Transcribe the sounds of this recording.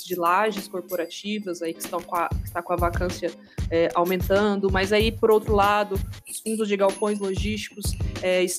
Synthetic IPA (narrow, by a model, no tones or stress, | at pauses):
zd͡ʒɪlaʒɪskoɾpoɾat͡ʃivɐzaikɪ̥st̪ɐ̃w̃kɐkɪ̥st̪akõɐvakɐ̃sjɐ | ɛʔawmẽnt̪ɐ̃d̪ʊmɐjzaipoɾowt̪ɾʊlad̪ʊʊsfũd̪ʊzd͡ʒɪɡawpõj̃z̬loʒist͡ʃi̥kʊsɛɪs